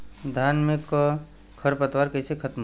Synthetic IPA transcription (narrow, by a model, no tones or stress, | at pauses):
d̪ʱaːnmẽk | kʰəɾpət̪waːɾkɛsekʰət̪m